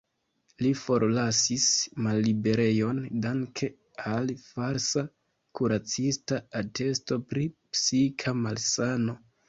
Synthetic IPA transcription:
lifo̞ɾlasismalːibe̞ɾe̞jo̞ndaŋkʰe̞ | alfaɾsa | kuɾat͡sistaate̞sto̞pɾipsikʰamalsano̞

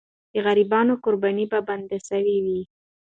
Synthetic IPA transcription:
d̪̥əɣaɾibɑnokoɾbanibaband̪asawiwi

